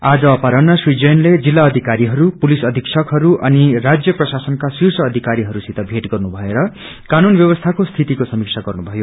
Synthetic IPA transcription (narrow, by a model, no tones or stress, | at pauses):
ad͡zʌːpaɾʌnːʌswid͡zenled͡zilːaʌd̪ʱikaɾiɦʌɾupulisʌd̪ʱiksʰʌkɦʌɾuʔʌnirad͡zjʌprʌsasʌnkasirsʌːd̪ʱikaɾiɦʌɾusit̪ʌbʱeʈɡʌrnubʱʌeɾʌ | kanunbjʌbʌst̪ʰakost̪ʰit̪ikosʌmik̚t͡sʰaɡʌrnubʱʌjo